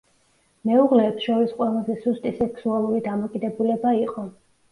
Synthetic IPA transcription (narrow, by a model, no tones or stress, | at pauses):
mɛuʁlɛːpsʃɔɾisqʼwɛlˠazɛsust̪ʼisɛksualˠuɾid̪amɔkʼid̪ɛbulɛbaiqʼɔ